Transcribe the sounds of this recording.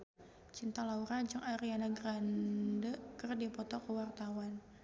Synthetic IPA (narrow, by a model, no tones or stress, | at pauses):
t͡ʃint̪alauɾad͡ʒəŋaɾianaɡɾandəkərdipɔt̪ɔkəwart̪awan